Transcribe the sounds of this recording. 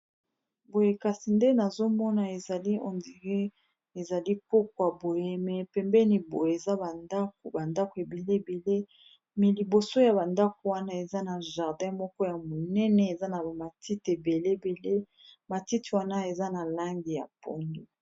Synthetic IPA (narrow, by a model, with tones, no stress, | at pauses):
bo˨je˨ka˨si˨nde˦na˨zo˦mɔ˦na˨e˨za˨li˦ɔ̰˨ndi˨ʁe˦ | e˨za˨li˦po˦kwa˨bo˨je˦mɛ˨pɛ˨mbɛ˦ni˨bo˨je˨e˨za˦ba˨nda˦k̚o˨ba˨nda˦ko˨e˨be˨le˦˨be˨le˦ | mɛ˨li˨bo˨so˦ja˨ba˨nda˦ko˨wa˦na˦e˨za˦na˨ʒa˨ʁdɛ̃˦mɔ˦kɔ˦ja˨mo˨nɛ˦nɛ˨e˨za˦na˨ba˨ma˨ti˦te˨be˨le˦be˨le˦ | ma˨ti˦ti˨wa˦na˦e˨za˦na˨la˦ŋɡi˨ja̰˨po̰˦ndo˨